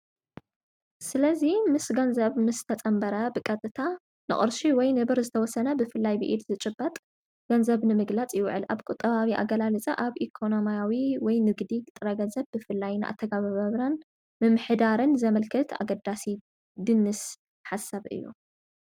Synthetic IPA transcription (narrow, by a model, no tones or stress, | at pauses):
sɨlɐzimɨsɡɐnzɐβmɨst̪ʰɐt͡sʼɐmbɐɾɐbɨkʼɐt̪ʼɨt̪ʰa | nɨ̰χʼɨ̰ɾʃiwɔjnɨβɨɾzɨt̪ʰɐwɔsɐnɐbɨfɨlːajbɨ̰ʔid̪zɨt͡ʃʼɨbːɐt̪ʼ | ɡ̥ɐnzɐβnɨmɨɡlat͡sʼjɪwʕɨlʔa̰βkʼʊt̪ʼːɐβaβiʔa̰ɡɐlalɨt͡sʼɐʔaβʔikʰo̞nomijawiwɔjnɨɡd̪it̪ʼɨɾɐɡɐnzɐβbɨfɨlːajnɨʔa̰t̪ʰːɐɡaβaβɐβlan | mɨmɨħɨd̪aɾɨnzɐmɐlkʰɐt̪ʰa̰ɡɐd̪asi | d̪ɨnːɨs | ħasːaβɨ̰jːṵ